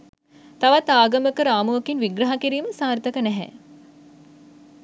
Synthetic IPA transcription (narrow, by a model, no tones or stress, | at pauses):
t̪aʋat̪aːɡɐməkəɾaːmuɐkinʋiɡɾɐɦakiɾiːməsaːrt̪ɐkənɛɦɛ̰